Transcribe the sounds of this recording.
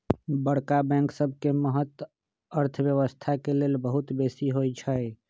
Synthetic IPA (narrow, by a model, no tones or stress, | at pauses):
bəɽkabɛ̃ŋksəb̚ʱkeməɦət̪w | əɾt̪ʰəbjəβəst̪ʰakelelbəɦut̪besiɦojt͡ʃʰəj